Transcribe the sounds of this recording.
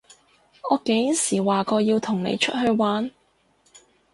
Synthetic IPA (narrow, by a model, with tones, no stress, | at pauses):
ɔː˨˧ke˨˥ji˨˥siː˨˩waː˨kɔː˧jiː˧wt̪ʰʊ˨˩ŋnḛ˨˧jt͡ʃʰɵ˥t̚ɦɵ˧ɥwaː˨˥n